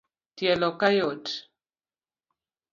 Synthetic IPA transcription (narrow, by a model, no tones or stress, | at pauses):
tjɛlɔkajot